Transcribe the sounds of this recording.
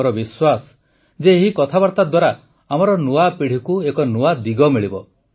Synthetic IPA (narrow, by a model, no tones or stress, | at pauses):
ɔɾɔbiswasɔ̥ | d͡ʒeːɦikɔt̪ʰabaɾt̪ad̪waɾa | amɔɾɔnuapiɽ̤ikuekɔnuad̪iɡɔmiɭibɔ